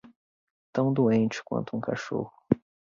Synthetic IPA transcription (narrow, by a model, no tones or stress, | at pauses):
t̪ɐ̃w̃d̪uẽnt͡ʃɪ̥kwɐ̰̃nt̪ʊũka̰ʃo̰hʊ